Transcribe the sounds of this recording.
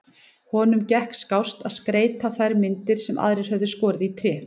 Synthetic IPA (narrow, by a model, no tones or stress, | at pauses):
hɔːnʏmcɛhkskawst̪aðskɾeːjt̪aθajɾmɪnt̪ɪɾ̥sɛmʔa̰ðɾɪɾ̥hœvðʏskɔːɾɪðit̪ʰɾjɛː